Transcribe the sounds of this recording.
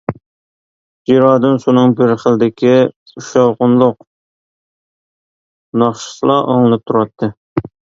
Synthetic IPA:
d͡ʒiɾɑːd̪ɨnʃunɨŋbɪɾχəlˠd̪ɪkʲi | uʃɑwqʊnlˠʊq | nɑχʃɨ̥slˠɑʔo̰ŋlˠɨp̚t̪ʰuɾɑt̪ʰːɨ

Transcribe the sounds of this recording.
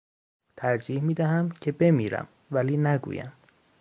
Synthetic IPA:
t̪ʰæɾd͡ʒiːhmiːd̪æɦæmcʰe̞be̞miːɾæ̰m | væliːnæɡṵːjæ̰m

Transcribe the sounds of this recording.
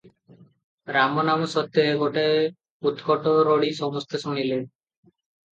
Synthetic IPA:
ɾamɔnamɔsɔt̪ːjɔeɡoʈae | ut̪kɔʈɔɾɔɽisɔmɔst̪ʰesuɽ̃ile

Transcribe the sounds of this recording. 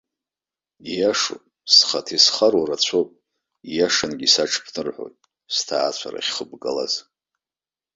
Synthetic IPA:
ijaʂo | sχatʰisχaɾwaɾat͡ɕʷʰopʼ | ijaʂanɡʲisaʈ͡ʂʰpʰnɨrħʷo̰jtʼ | stʰaːt͡ɕʷʰa̰ɾa̰χʲχəbɡʼala̰z

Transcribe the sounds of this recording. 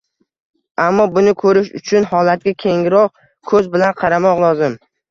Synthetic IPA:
amːɒbʊnɪkʰɵɾɪʃʊ̰t͡ʃʰʊnhɒlat̪̚ɡʲakʲʰe̞ŋɪɾɒq̚ | kʰɵzbɪlanqʰɑɾamɒqlˠɒzɪm

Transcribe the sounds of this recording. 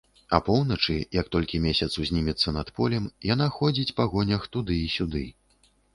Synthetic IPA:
ɐ̰pɔwnɐt͡ʂɨjɐk̚t̪ɔlʲkʲimʲesʲɐt̪suzʲnʲimʲit̪sːɐnɐt̪pɔlʲɛmjanaxɔd͡zʲit͡sʲpaɣɔnʲɐxt̪ud̪ɨisʲud̪ɨ

